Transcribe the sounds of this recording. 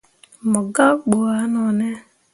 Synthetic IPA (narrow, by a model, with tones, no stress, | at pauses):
mɔ˨ɡa˦k͡po˨a˨˦nɔ˨ne˦